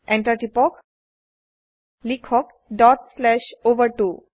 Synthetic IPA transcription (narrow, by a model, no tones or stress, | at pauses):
ɛ̃ɳʈəɾʈipɔk | likʰɔk̚ | ɖɔʈslɛɕoʋəɾʈu